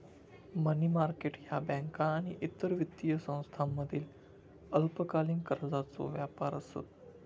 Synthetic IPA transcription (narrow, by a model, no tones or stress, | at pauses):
mənimaɾkeʈjabɛ̃ŋkaːɽ̃iʔit̪ːəɾʋit̪ːijəsə̃w̃st̪ʰamːəd̪ʱiːl | əlpəkalĩŋkəɾd͡zat͡so̰ʋjapa̰ɾəsḛt̪